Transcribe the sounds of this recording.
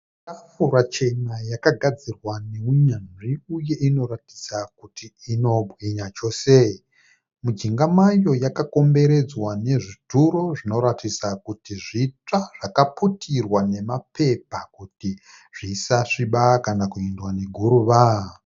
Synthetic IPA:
afuɾat͡ʃe̞najakaɡʱad͡zirwane̞uɲanʐiuje̞ʔino̞rati̥sakutiːno̞bwiɲat͡ʃo̞ːse | mud͡ʒiŋɡamajo̞jakako̞mbe̞ɾe̞d͡zwane̞ʐituɾo̞ʐino̞ɾatisakutiʐit͡ʂaʐ̥akaputʰirwane̞mape̞pakuti | ʐ̥iːsaʂiɓakanakuendwaneɡʱuɾuʋa

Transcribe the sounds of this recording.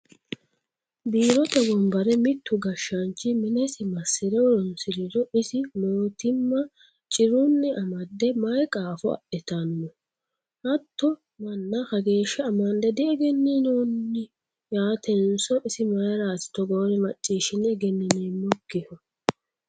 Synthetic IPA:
biːɾɔt̪ɐɡɔmbɐɾɛmɪt̪ːʊɡɐʃːɐnt͡ʃːɪmɪnɛsɪmɐsːɪd̪ɛwɔɾɔnsɪɾɪd̪ɔɪsɪmoːt̪ɪmːɐ | t͡ʃʼɪɾʊnːɛʔɐmɐd̪ːɛmɐjkʼaːfɔɐ̰ɗɛt̪ɐnːɔ | hɐt̪ːɔ | mɐnːɐkɐɡe̞ːʃːɐɐmɐnd̪ɛd̪ɪɛɡɛnːinoːnːɪ | jaːt̪ʰɛnsɔʔɪsɪmɐjɐɾaːsɪ̥t̪ɔɡɔwnɛmɐt͡ʃʼːiːʃɪnːɛɡɛnːɪneːmːɔɡːɪhɔ

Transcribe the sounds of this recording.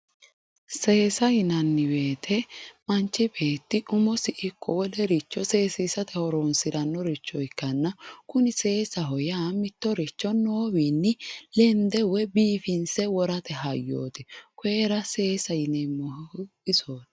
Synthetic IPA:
se̞ːsɐjɪnɐnːɪbe̞ːt̪ʰɛmɐnt͡ʃːɪbe̞ːt̪ːɪʔʊmɔsɪʔɪkʰːɔwɔlɛɾɪt͡ʃːɔse̞ːsisɐt̪ʰɛhɔɾoːnsɪdɐnːɔɾɪt͡ʃːɔjɪkːɐnːɐkʊnɪse̞ːsɐɦɔjaːmɪt̪ːɔɾɪt͡ʃːɔnːoːwiːnːɪlɛnd̪ɛwɛbiːfɪnsɛwɔɾɐt̪ɛɦɐjːo̰ːt̪ɪkʷʊeːɾɐse̞ːsɐjɪnɛmːɔhɪsoːt̪

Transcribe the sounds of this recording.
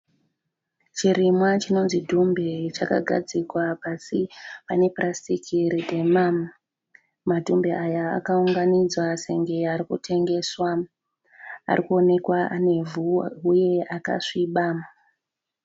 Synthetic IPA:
t͡ʃiɾimwat͡ʃino̞nzidʱumbet͡ʃaka̰ɡʱad͡zikwapasipane̞prʔastikʰiridʱemam | madʱumbeaja̰ːkauŋɡanid͡zwase̞ŋɡe̞aɾikutʰe̞ŋɡe̞swa | a̰rikuo̞ne̞kwaʔane̞vuuje̞aka̰ʂiɓa

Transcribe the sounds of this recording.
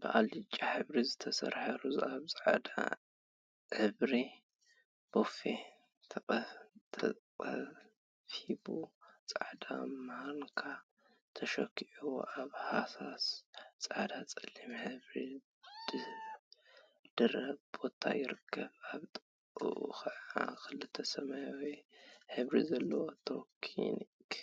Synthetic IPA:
bɨʔalit͡ʃʼːaħɨβɾizɨt̪ʰɐsɐ̰ɾħaɾuzaβt͡sʼaʕad̪a̰ | ʕɨβɾi | b̥ofe | t̪ʰɐt̪ʰɐqʼɐ | fibut͡sʼaʕd̪amaɾnkʰa | t̪ʰɐʃɐkːiʕuwo̰ʔaβhasast͡sʼaʕd̪at͡sʼɐlːimħɨβɾi | d̥ɨ | d̪̥ɨɾɐβb̥o̞t̪ʰa̰jɪɾɨkʰːɐβaβt̪ʼ | ṵʔṵxɐʕaxɨlɨt̪ʰːɐsɐmajwiħɨβɾizɐlːɐwot̪ʰokʰḭni | k

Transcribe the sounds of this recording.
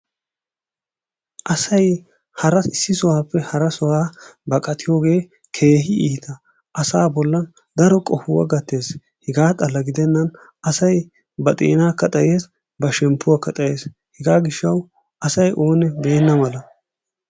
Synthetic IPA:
ʔɐsɐj | hɐɾɐɪsːɪsɔwaːpːɛhɐɾɐsɔwaːbɐkʼɐt̪ʰɪjo̞ːɡe̞ː | kʰe̞ːɦɪiːt̪ɐ | ʔɐsaːbɔlːɐn | d̪ɐɾɔkʼɔfʊwɐ̰ɡɐt̪ːe̞ːs | hɛɡaːt̪ʼɐlːɐɡɪd̪ɛnːɐn | ɐsɐj | bɐt̪ʼḛːnaːkɐt̪ʼɐjeːs | bɐʃɛmpːʊwakɐt̪ʼɐje̞ːs | hɛɡaːɡɪʃːɐw | ɐsɐjʔo̞ːnɛbe̞ːnːɐmɐlɐ

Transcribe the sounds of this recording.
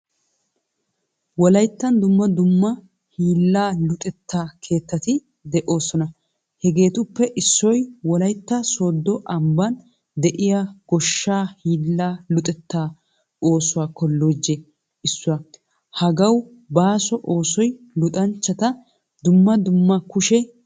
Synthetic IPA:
wɔlɐjt̪ːɐnd̪ʊmːɐd̪ʊmːɐ | hiːlːaːlʊt̪ʼɛt̪ːaːkʰe̞ːt̪ːɐt̪ɪ | d̪ɛʔo̞ːsɔnɐ | hɛɡe̞ːt̪ʊpːɛʔɪsːɔjwɔlɐjt̪ːɐso̞ːd̪ːɔʔɐmbɐn | d̪ɛʔɪjɐɡ̥ɔʃːaːhiːlːaːlʊt̪ʼɛt̪ːaː | o̞ːsʊwaːkɔlːoːd͡ʒɛ | ɪsːʊwɐ | hɐɡɐw | baːsɔʔo̞ːsɔj | lʊt̪ʼɐnt͡ʃːɐt̪ɐ | d̪ʊmːɐd̪ʊmːɐkʊʃɛ

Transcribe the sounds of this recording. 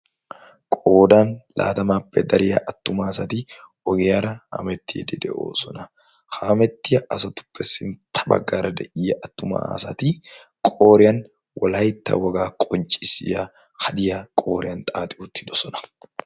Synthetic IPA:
kʼo̞ːd̪aːnla̰ːt̪ɐmaːpːɛd̪ɐɾɪjɐ̰ʔɐt̪ːʊmaːsɐt̪i | ɔɡeːɐɾɐha̰mɛt̪ːɪjd̪ɛd̪ɛ̰ʔo̰ːsɔnɐ | hamɛt̪ːɪjɐʔɐsɐt̪ʊ̥pːɛsːɪnt̪ʰɐ̥bɐ̰ɡaːɾɐd̪ɐʔɪjːɐʔɐt̪ːʊma̰sɐt̪i | kʼo̞ːɾɪjɐn | wʔɐ̰laːjɪt̪ːɐ̰wɐɡaːkʼɔnt͡ʃʼɪsɪja | kɐd̪ɪjakʼo̞ːɾɪɐnt̪ʼaːt̪ʼɪʔuːt̪ːɪd̪ɔsɔnɐ̥

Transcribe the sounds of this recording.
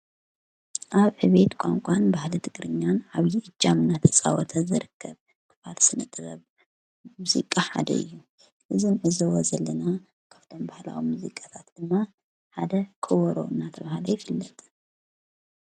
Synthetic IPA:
ʔaβħɨβe̞t̪kʷʼa̰ŋkʷʼanbahlɐt̪ʰɨɡɾɨɲːanʔaβjɪʔɨd͡ʒːamɨnːat̪ʰɐsʼa̰wɔt̪ʰɐzɨɾɨkʰːɐβ | kʰɨfalsɨnɨt̪ʼɨβɐβ | muzḭkʼaħa̰d̪ɐ̰ʔɨ̰jːu | ʔɨzɨnʕɨzɐwɔzɐlːɐna | kʰaft̪ʰombahla̰wimuzikʼḁt̪ʰat̪d̪̥ɨmːa | ħad̪ɐkʰʼɨwɔɾo̰ɨnːat̪ʰɐβahalɐjɪfɨlːɐt̪ʼ

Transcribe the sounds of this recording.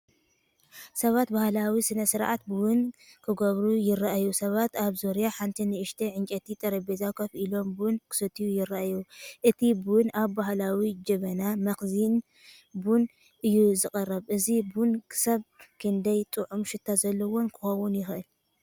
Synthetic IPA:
sɐβat̪bahlawisɨnɐsɨɾʔa̰t̪̚bɨwʊnkʰɨɡoβɾujɪraʔajusɐβat̪aβzoɾjaħant̪ʰinɨʔɨʃt̪ʰeʕɨnt͡ʃʼɐt̪ʰit̪ʼɐɾɐbezakʰɐfʔilo̞mbunkʰɨ̥sɐt̪ʰijujɪraʔajuʔɨt̪ʰibɨwʊnaβːahlawid͡ʒɐβɐnamɐxzin | bun | ʔɨjːuzɨkʼɐrɐβʔɨzibunkʰɨ̥sɐβkʰɨnd̪ɐjt̪ʼɨʕumʃɪt̪ʰːazɐlːɐwonkʰɨ̥xɐwʊnjɪxʔɨl

